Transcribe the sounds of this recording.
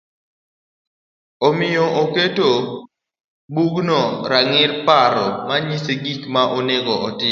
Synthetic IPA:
omɪjɔʔoketo | buɡnɔɾaŋɪrpaɾɔmaɲiseɡikmaʔoneɡɔɔtɪ

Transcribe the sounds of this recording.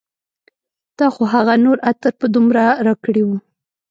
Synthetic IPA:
d̪̥ɑxoɦaɣanoɾat̪əɾpəd̪umɾaɾɑkəɽiwu

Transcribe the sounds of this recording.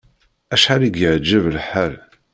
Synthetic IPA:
æʃħaɾiɡjəʕd͡ʒəvlħal

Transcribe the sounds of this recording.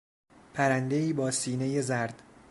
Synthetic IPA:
pʰæɾænd̪e̞iːbɒːsiːne̞jezæɾd̪̥

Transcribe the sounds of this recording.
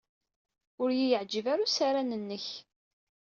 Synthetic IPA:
ʊɾjijəʕd͡ʒəvaɾusaɾanənːəç

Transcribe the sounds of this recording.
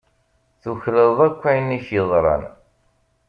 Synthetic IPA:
θuçɾəðˤækʷːæjnːiçəðˤɾˤɑ̰n

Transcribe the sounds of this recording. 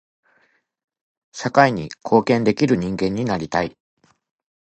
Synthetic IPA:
ɕakaiɲ̟ḭkʰo̞ːkẽ̞nd̪e̞kʲiɾɯ̟ɲ̟ĩŋɡẽ̞ɲ̟ːinaɾʲit̪ai

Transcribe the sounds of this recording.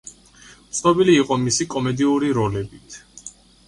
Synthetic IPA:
t̪sʰnɔbiliːqʼɔmisikʼɔmɛd̪iuɾiɾɔlɛbit̪ʰ

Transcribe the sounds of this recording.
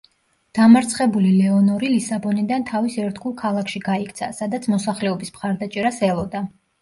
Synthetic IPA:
d̪̥amaɾt̪sʰχɛbulilɛɔnɔɾilisabɔnid̪ant̪ʰavisɛɾt̪ɡulˠkʰalˠakʰʃiɡaikʰt̪sʰasad̪at̪sʰmɔsaχlɛɔbismχaɾd̪at͡ʃʼɛɾasɛlˠɔd̪a

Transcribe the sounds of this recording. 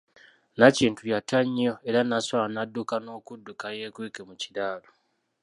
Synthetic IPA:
naciːntujataɲo̞e̞ɾanaswaanadːukano̞ːkudːukaje̞ːkwiːkemucidaːlo

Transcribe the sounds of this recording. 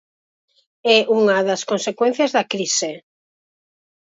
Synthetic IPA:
ɛʔuŋɐðɐskonsekwẽn̟θjɐzðɐkɾisɪ

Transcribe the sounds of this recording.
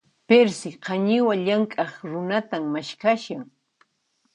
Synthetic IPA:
peɾsɪqɑɲɪwaʎaŋkʼɑχɾʊnat̪ammaʃkaʃaŋ

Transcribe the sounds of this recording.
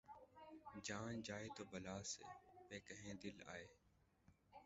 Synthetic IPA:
d͡ʒaːnd͡ʒaːeːt̪oːbʱəlaːsḛːpeːkəɦẽːd̪ɪla̰ːeː

